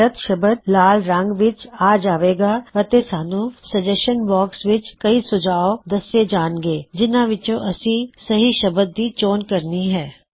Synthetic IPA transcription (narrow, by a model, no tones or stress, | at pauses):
ɾət̪ʃɐbəd̪̚laːlɾɐ̃ŋɡʋɪt͡ʃaːd͡ʒaːʋeːɡaːɐt̪esaːnũsɐd͡ʒeʃənbɔːksʋɪt͡ʃkɐisʊd͡ʒaːod̪ɐsed͡ʒaːnɡeːd͡ʒɪnãʋɪt͡ʃõʔɐsĩsɐɦiʃɐbəd̪̚ːit͡ʃoːnkɐɾniɦɛː